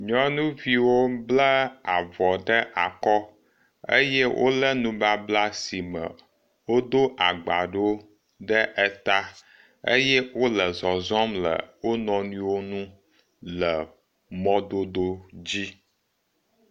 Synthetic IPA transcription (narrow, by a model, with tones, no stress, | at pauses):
ɲɔ̃˦nũ˦vi˨wo˦blə˦a˨vɔ˨ɖə˦ʔa˨kɔ˦ | ə̰˦jɛ˦wʔo̰˦lə˦nũ˦ba˦bla˦si˨mə̰˨ | wo˦d̪o˦ʔa˨ɡ͡ba˨ɖo˦ | ɖə˦ʔɛ˦t̪a˦ | ə̰˦jɛ˦wo˦lə˨zɔ˨zɔ˦mlə̰˨wo˦nɔ̃˨nũ˦wo˦nũ˦ | lə˨ | mɔ̃˦d̪o˦do˦d͡ʑi˦